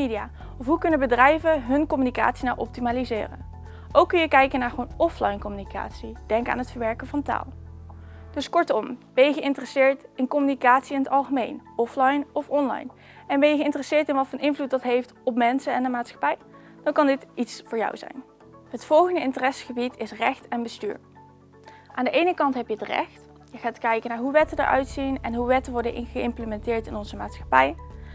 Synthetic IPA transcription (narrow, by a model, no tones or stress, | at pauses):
ediaː | ɔfɦukɵnəbədrɛjvəɦɵnkɔmynika̰ːtsinawʔɔ̰p̚timaːlizɪ̰ːrə̰n | ʔowkːɵnjəkɛjkənaːɹχəʋownɔflɑjnkɔmynika̰ːtsid̥ɛŋka̰ːnɦətfəɹʋɛɹkəvɑnta̰ːlˠ | d̥ɵskɔɹtɔmb̥ɛjəχəʔɪntərəsɪːɹtɪnkɔmynikaːtsiɪnətɑlˠχəmejnɔflɑjnɔfɔnlɑ̰jn | ɛnbɛnjəɣəɪntərəsɪːɹtɪnʋɑtfɑnʔɪnvlut̚dɑtɦejftɔpmɛnsənɛndəmaːtsχɑ̥pɛj | d̥ɑnkɑndɪtitsfʊːɹjɑ̰wzɛ̰jn | ɦətfɔlˠχəndəɪntərɛsχəbitʰɪsrɛxtɛnbəsty̰ːɹ | ʔaːndəʔejnəkɑntɦɛpjəətrɛ̰xt | jəχaːtkɛjkənaːɹɦuʋɛtədə̰ɹʔœ̰ɥtsinɛnɦuʋɛtəʋɔɹdəʔɪχəɪmpləmɛntɪːɹtɪnɔnzəma̰ːtsxɑ̥pɛj